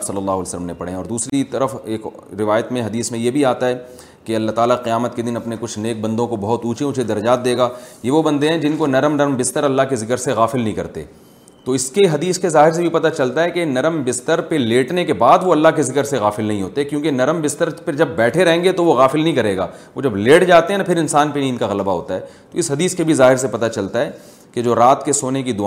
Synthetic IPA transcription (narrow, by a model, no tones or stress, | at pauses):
sɐlːəlːaːɦlsələmnepɐɽ̤ḛ̃ɔːɾd̪uːsɾit̪ɐɾəfeːk | ɾɪʋaːjət̪mẽɦɐd̪iːsmẽjebʱiaːt̪aɦɛː | keɐlːaɦt̪aːlaqɪjaːmət̪̚ked̪ɪnɐpnekʊt͡ʃʰneːk̚bɐ̃nd̪õkobɐɦʊt̪uːt͡ʃẽʊt͡ʃʰed̪ɐɾɐd͡ʒaːt̪̚d̪eːɡaːjeʋobɐ̃nd̪eɦɛ̃d͡ʒɪnkonɐɾəmnɐɾmbɪst̪əɾɐlːakezɪkəɾseɣaːfɪlnɐɦĩkɐ̰ɾt̪ḛ | t̪oɪskeɦɐd̪iːskezaːɦɪɾs̬ebʱipɐt̪at͡ʃɐlt̪aɦɛkenɐɾəmbɪst̪əɾpeleːʈnekebaːd̪ʋoɐlːaɦkezɪkəɾseɣaːfɪlnɐɦĩɦoːt̪eɦɛ̃kjõːkenɐɾəmbɪst̪əɾped͡ʒɐbːɛːʈʰeɾɐɦẽːŋɡet̪oʋoɣaːfɪlnɐɦĩkɐɾeːɡa̰ːʋod͡ʒɐbleːʈd͡ʒaːt̪eɦɛ̃napʰɪɾɪnsaːnpeniɪnkaɣɐlbaɦo̰ːt̪a̰ɦɛːt̪oɪsɦɐd̪iːskebʱizaːɦɪɾs̬epɐt̪at͡ʃɐlt̪aɦɛː | ked͡ʒoːɾaːt̪kesoːnek̬id̪ʊ